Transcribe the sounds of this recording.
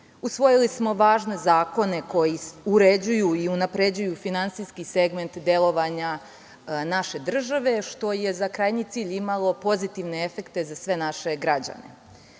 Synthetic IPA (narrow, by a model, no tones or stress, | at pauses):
usʋo̞jilismo̞ʋaːʒne̞zaːko̞ne̞ko̞jiuɾe̞d͡ʑujuiunapɾe̞d͡ʑujufinant̪siskise̞ɡme̞nt̪d̪e̞lˠo̞ʋaɲa | naʃe̞d̪r̩ʒaʋe̞ʃt̪o̞je̞zakɾajɲit̪siːʎimalˠo̞po̞zit̪iʋne̞e̞fe̞kt̪e̞zasʋe̞naʃe̞ɡɾad͡ʑa̰ne̞̰